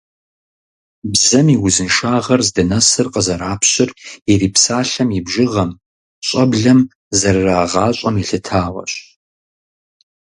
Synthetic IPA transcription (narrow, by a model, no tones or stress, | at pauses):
bzɐmiwʊzɨnʃaːʁɐrzdɐnɐsɨrqəzɐɾaːpʰɕɪriɾiːpsaːɬɐmɪbʒɪʁɐm | ɕʼɐbɮɐm | zɐrraːʁɑːɕʼɐmiɬɨtʰaːʁɐ̰ɕ